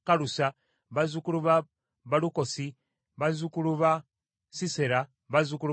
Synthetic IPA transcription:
kalusa | βazukuluβa | βaluko̞si | βazukuluβa | siseɾa | βazukulu

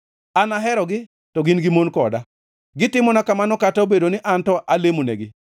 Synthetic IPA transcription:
anaɦɛɾɔɡɪ | tɔɡinɡɪmonkɔda | ɡɪtɪmɔnakamanɔkataobedonɪʔantɔʔalemonḛɡɪ

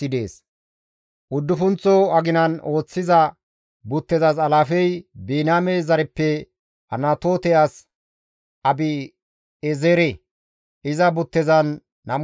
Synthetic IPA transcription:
ɪd̪e̞̰ːs | ʔʊd̪ːʊfʊnt͡sːɔɐɡɪnɐno̞ːt͡sːɪzɐ | bʊt̪ːɛzɐs̬ɐlaːfɛjbiːnaːmezɐɾɛpːɛ | ɐ̰naːt̪o̞ːt̪ɛjaːs | ɐbɪ | ɛzeːɾe | ʔɪzɐbʊt̪ːɛzɐnː | ɐm

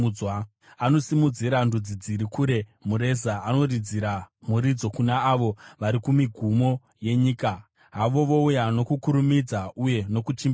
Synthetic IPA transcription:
wa | ano̞simud͡ziɾandud͡zid͡ziɾikuɾe̞muɾe̞zaano̞rid͡ziɾamuɾid͡zo̞kunaːʋo̞ʋaɾikumiɡʱumo̞ | je̞ɲiːka | ɦaʋo̞ʋo̞ujano̞kukuɾumid͡zauje̞no̞kut͡ʃim

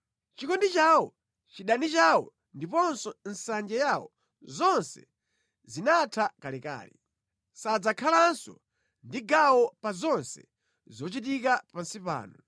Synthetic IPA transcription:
t͡ʃikɔndit͡ʃaːwɔ | t͡ʃiɗanit͡ʃawɔ | ndipɔnsɔn̩sand͡ʒɛjawɔ̰ | zɔnsɛ̰ | zinatʰakalika̰ːlḭ | sad͡zakʰalansɔ | ndiɡawɔpazɔnsɛ̰ | zɔt͡ʃit̬ikapansipa̰ːnu

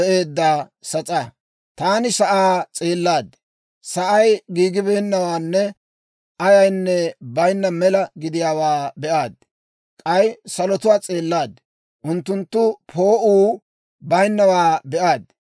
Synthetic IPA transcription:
ʔeːd̪ːaːsɐt͡sʼɐ | t̪aːnɪsɐʔaːt͡sʼeːlːaːd̪ | sɐʔɐjɡiːɡɪbeːnːɐwaːnːɛ | ʔɐjɐjnːɛbɐjnːɐmɛlɐɡɪd̪ɪjaːwaːbɛʔaːd̪ | kʼɐjsɐlɔt̪ʊwaːt͡sʼeːlːaːd̪ | ʔʊnt̪ːʊnt̪ːʊpʰo̞ːʔuː | bɐjnːɐwaːbɛʔaːd̪

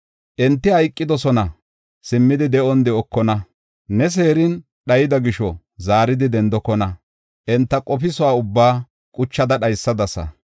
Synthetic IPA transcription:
ʔɛnt̪ːɪhɐjkʼːɪd̪ɔsɔnɐ | sɪmːɪd̪ɪd̪ɛʔɔnd̪ɛɔkːɔnɐ | nɛs̬e̞ːɾɪn | ɗɐjɪd̪ɐɡɪʃɔ | zaːɾɪd̪ɪd̪ɛnd̪ɔkːɔnɐ | ʔɛnt̪ːɐkʼɔpɪsɔaːʊbːaː | kʼʊt͡ʃːɐd̪ɐɗɐjsːɐd̪ɐsɐ̰

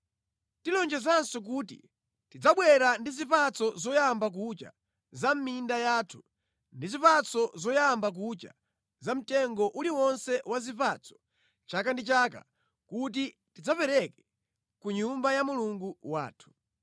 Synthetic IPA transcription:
tilɔnd͡ʒɛzansɔk̬utḭ | tid͡zaɓwɛɾandizipat͡sʰɔzɔjambak̬ut͡ʃa̰ | zam̩mindajaːtʰu̥ | ndizipat͡sɔzɔjambak̬ut͡ʃa̰ | zam̩tɛŋɡɔʔuliwɔnsɛwazipat͡sʰɔ̥ | t͡ʃakandit͡ʃaka̰ | kut̬i | tid͡zapɛɾɛkɛ̥ | kuɲumbajamuluŋɡuwa̰ːtʰu̥

